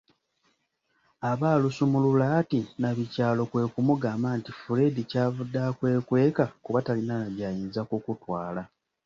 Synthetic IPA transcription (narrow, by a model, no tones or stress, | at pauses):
aβaːlusumululaːtinaβicaːlo̞kwe̞ːkumuɡaːmaːntifuɾe̞dicavudːakwe̞ːkwe̞ːkakuβatalinanaβjajiːnzakukutwaːla